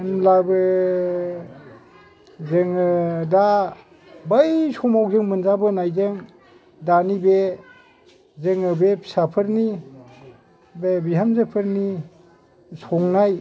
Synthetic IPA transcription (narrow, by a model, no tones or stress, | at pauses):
nlabɯ | zɯŋɯda | bajsɔmawzɯŋmɯnzabɯnajzɯŋ | danibe | zɯŋɯbepʰsapʰɯɾni | bebiɦamzapʰɯɾni | sɔŋnaj